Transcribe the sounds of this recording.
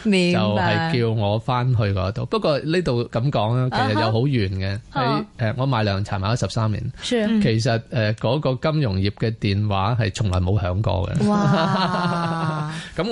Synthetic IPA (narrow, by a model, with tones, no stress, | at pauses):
mi˨t͡sɐ˨wwhɐ˨jkiː˧wŋɔː˨˧faː˥nɦɵ˧ɥkɔː˧˥t̪o˨wpɐ˥t̚kʷːɔː˧liː˥t̪o˨wkɐ˨˦mkɔː˨˥ŋlaː˥kʰe˨˩sɐ˨t̚jɐ˨˧wɦo˨˥wjyː˨˩nkɛ˧le˨˧jʔɛː˨˧ŋɔː˨˧maː˨˥jlœː˨˩ŋt͡sʰaː˨˩nmaː˨˧jɐ˥sɐ˨˩p̚saː˥mlḭː˨˩n˥kʰe˨˩jsɐ˨t̚ɛː˨kɔː˨˥kɔː˧kɐ˥mjʊ˨˩ŋjiː˨˩p̚kɛː˧t̪iː˨˩nwa̰ː˨˥ɦɐ˨jt͡sʰʊ˨˩ŋlɔː˨˩jmo˨˧whœː˨˧˥ŋkɔ̰ː˧ɡɛ̰˧ | kɐ˨˦˥m